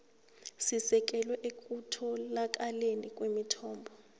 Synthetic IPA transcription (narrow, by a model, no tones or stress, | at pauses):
sisɛk̬ʼɛlwɛʔekʼutʰɔlak̬ʼalenik̬ʼwemitʰɔːmbʱɔ